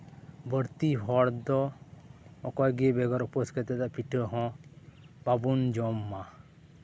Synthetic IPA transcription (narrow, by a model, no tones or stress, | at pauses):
bəɾt̪iɦɔɽd̪ɔ | ɔkɔjɡebeɡɔɾɔposket̪ed̪apiʈʰəɦɔ̃ | babund͡ʒɔmːa